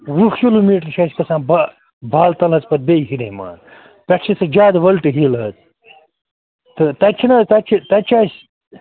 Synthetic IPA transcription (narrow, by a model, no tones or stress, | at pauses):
ɾuxkiluːmiːʈɐɾʃɐskɐsãːnba | bʱaːlt̪ɐlɦɐt͡spɐt̪̚bɐjɦiɾema̰ːn | pʲɐʈʰt͡ʃʰisɐd͡ʒaːd̪ʋɐlʈɨɦilɦɐt͡s | t̪ɨt̪ɐt͡ʃʰinɐt̪ɐt͡ʃʰit̪ɐt͡ʃʰaːsʲ